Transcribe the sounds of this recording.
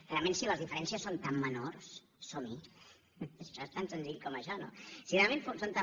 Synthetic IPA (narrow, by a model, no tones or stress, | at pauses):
realmẽnsiləzðifəɾɛnsiəsːont̪amːənoɾs | somi | ʃɔest̪ansənziʎkɔməʃɔno̰sirealmẽnfosont̪a